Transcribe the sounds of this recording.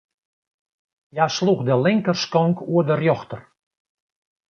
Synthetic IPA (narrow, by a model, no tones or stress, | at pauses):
jasluxdəlɪŋkərskɔŋkuədərjɔxtər